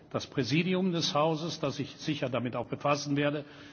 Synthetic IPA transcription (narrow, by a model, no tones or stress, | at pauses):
d̥aspʁ̥ɛziːdiʊmdɛshaʊzəsd̥asɪçz̥ɪçɐdamɪtaʊxb̥əfasn̩veːɐdə